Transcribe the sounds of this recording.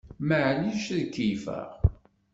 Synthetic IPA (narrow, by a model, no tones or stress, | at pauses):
məʕliʃðkːifə̰ʁ